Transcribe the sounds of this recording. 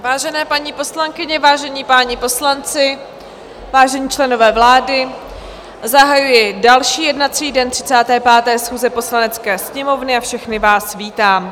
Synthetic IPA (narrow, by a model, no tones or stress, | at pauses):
vaːʒɛnɛːpaɲipo̞slaŋkɪɲɛvaːʒɛɲiːpaːɲɪpo̞slant͡sɪ | vaːʒɛɲiːt͡ʃlɛno̞vɛːvlaːdɪ | zaɦajujɪdalʃiːjɛdnat̪t͡siːdɛnt̪r̥ɪ̥t͡saːt̪ɛːpaːt̪ɛːsxuːzɛpo̞slanɛt͡skɛːsɲɛmo̞vnɪafʃɛxnɪvaːsviːt̪aːm